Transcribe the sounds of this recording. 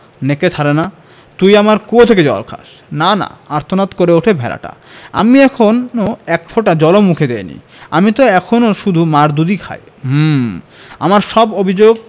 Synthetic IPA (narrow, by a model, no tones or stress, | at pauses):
neket͡ɕʰaɾena | t̪ujamaɾkuot̪ʰeked͡ʑɔa̰ɾkʰa̰ʃ | nana̰aɾt̪ʰonat̪koɾeoʈʰebʱɛ̰la̰ʈa̰a̰miɛkʰonoɛkpʰoʈad͡ʑɔlomukʰed̪ḛjnḭ | amit̪oɛkʰonoʃud̪ʱumaɾd̪ud̪ikʰa̰j | m | a̰maɾʃɔbobʱid͡ʑoɡ